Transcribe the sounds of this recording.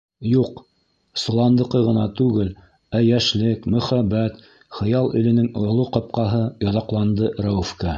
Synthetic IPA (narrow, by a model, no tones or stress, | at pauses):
juq | sŏlˠɑnd̪ɤ̆qɤʁɤ̆nɑt̪ʉɡɘl | æjæʃlɘkmɵ̆χæbːæt̪ | χɤ̆jɑlˠɵ̆lɘ̆nɘŋŏlˠuqɤ̆p̚qɑɦɤjŏðɑqlˠɑnd̪ɤɾɑufkɑ